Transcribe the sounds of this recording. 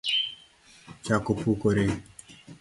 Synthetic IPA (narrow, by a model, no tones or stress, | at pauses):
t͡ʃakopukoɾe